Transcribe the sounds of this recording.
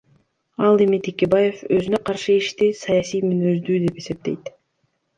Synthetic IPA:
ɑlˠe̞mit̪ʰekʲe̞baje̞føzynø̞qʰɑɾʃɯiʃt̪isɑjɑsijmynøzd̪yːd̪e̞pe̞se̞p̚t̪e̞̰jt̪

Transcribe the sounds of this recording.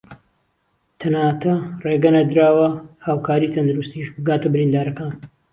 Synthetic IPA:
t̪ʰɐnaːt̪ʰɐreːɡɐnɐd̪ɾaːwɐhaːwkʰaːɾiːt̪ʰɐnd̪uɾust̪iːʃbɨɡaːt̪ɐbɨɾind̪aːɾɐkaːn

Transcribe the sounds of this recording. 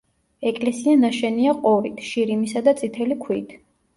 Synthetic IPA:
ɛkʼlɛsianaʃɛniaqʼɔɾit̪ʰʃiɾimisad̪at̪sʼit̪ʰɛlikʰwiːt̪ʰ

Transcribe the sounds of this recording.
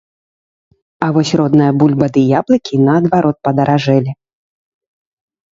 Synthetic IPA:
ɐvɔsʲrɔd̪nɨjɐbulʲbɐd̪ɨjablˠɐkʲinɐːd̪vaɾɔt̪̚pɐd̪ɐɾaʐɛlʲi

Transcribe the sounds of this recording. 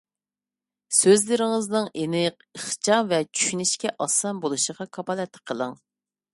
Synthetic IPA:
søzlɪɾɪŋɪznɨŋʔenɪq̚ | əχt͡ʃʰɑmvɛt͡ʃʰy̥ʃynɪʃkʲɛʔɑsɑnbolˠuʃəʁɑkʰɑpɑlˠɛt̪ʰːə̥qʰəlˠɨŋ

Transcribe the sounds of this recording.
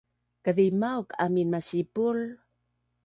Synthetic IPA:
kəðimauka̰minmasipul

